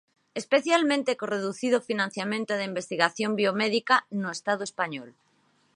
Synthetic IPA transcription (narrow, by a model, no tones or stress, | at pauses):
espeθjalmẽnt̪ekoreðuθið̞ofinãn̟θjamẽnt̪oðeimbest̪iɣaθjombiomeðikanoest̪aðoespaɲɔl